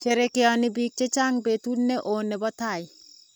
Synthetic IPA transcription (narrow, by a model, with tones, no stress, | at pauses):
t͡ʃe˨ɾekɪ˦ɔnɪ˦bik̚t͡ʃe˦t͡ʃa˦ŋbe˨t̪u˦nːe˦ʔo˨nɛ˨bɔ˦t̪a˨ɪ